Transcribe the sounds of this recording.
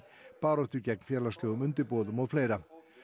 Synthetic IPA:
paːɾɔft̪ʏcɛjk̚mfjɛːlast̪lœːɣʏmʏnt̪ɪɾpoːðʏmɔɣfleːjɾa

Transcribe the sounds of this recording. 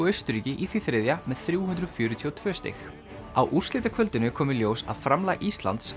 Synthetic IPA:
œɥst̪ʏɾiːcɪʔiθiθɾɪðjamɛðθɾjuːhʏnd̪ɾʏðfjʏːɾʏt̪ʰiɔt̪ʰv̥œːst̪ɪ̰x | awʔur̥slɪːt̪akʰvœlt̪ɪnʏkʰɔːmʏɾljoːwsa̰ðfɾamlaːɣʔist̪la̰nt̪s

